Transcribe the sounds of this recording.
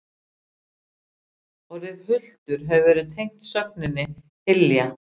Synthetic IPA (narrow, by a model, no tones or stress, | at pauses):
ɔɣɾɪðhʏl̥t̪ʏɾ̥ɦɛvʏvɛːɾɪðt̪ʰejŋ̥t̪sœp̚nɪnːɪ | hɪlːja